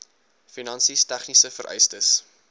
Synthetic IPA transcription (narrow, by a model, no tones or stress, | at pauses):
finɐnsistæχnisəfəɾʔɛ̰jstəs